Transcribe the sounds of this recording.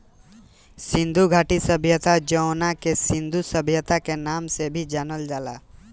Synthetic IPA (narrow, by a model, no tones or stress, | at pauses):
sɪ̃nd̪ʱuɡʱaːʈisəbʱjət̪ad͡ʒəʊnakesɪ̃nd̪ʱusəbʱjət̪akenaːmsebʱid͡ʒaːnəld͡ʒaːla